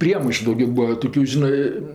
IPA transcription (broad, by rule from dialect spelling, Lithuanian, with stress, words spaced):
ˈpʲrʲiɛmɐɪʃʊ dɐʊˈɡʲoː ˈbuːɐ ˈtoːkʲʊ ˈʒʲɪnɜ